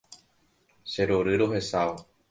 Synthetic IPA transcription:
se̞ɾoɾɨɾoɦe̞sao

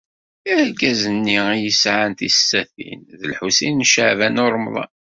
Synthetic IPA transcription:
æɡæzənːiijəsʕant̪isːæθḭnðəlħusinnʃəʕvænʊɾˤmðˤɑ̰

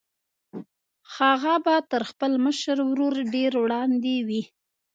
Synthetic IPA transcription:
xɑɣabat̪əɾxpəlməʃəɾwɾoɾɖeɾwɽɑnd̪ewi

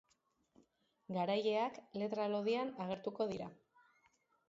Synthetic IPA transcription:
ɡaɾaje̞akle̞t̪ɾalo̞ðianaɣ̞e̞ɾt̪uko̞ðiɾa

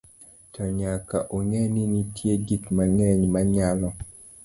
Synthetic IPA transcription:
tɔɲakaʔoŋɛninitʰjeɡikmaŋɛɲmaɲalɔ

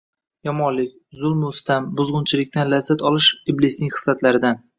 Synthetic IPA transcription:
jɒmɒnlɪkʲzʊlˠmʊst̪ambʊzʁʊnt͡ʃʰɪlɪkʲt̪anlazːat̪ʰɒlɪʃiblɪsnɪŋʲχɨ̥sat̪laɾɪd̪an

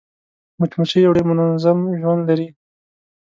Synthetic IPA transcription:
mʊt͡ʃmut͡ʃijawɽemʊnazamʒwand̪laɾi

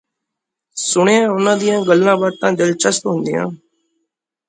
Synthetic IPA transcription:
sʊɳejãːʊnãːd̪ijãːɡəlːãːbaʈ̚t̪ãːd͡ʒəlt͡ʃəst̪ɦʊ̃nd̪ijã̰ː

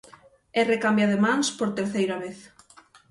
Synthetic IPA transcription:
ɛrekambjaðemanspoɾt̪eɾθejɾaβ̞eθ

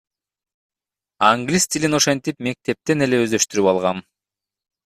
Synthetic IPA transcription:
aŋɡlʲist̪ʲilʲino̞ʃe̞nt̪ipme̞k̚t̪e̞p̚t̪e̞ne̞le̞øzd̪ø̞ʃt̪yɾypɑlˠʁɑn

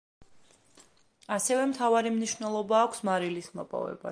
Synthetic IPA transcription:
asɛvɛmt̪ʰavaɾimniʃvnɛlˠɔbaːkʷʰsmaɾilismɔpʼɔ̰vɛ̰ba̰

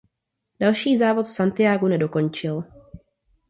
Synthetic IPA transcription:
d̥alʃiːzaːvo̞t̪fsant̪ɪjaːɡunɛdo̞ko̞nt͡ʃɪl

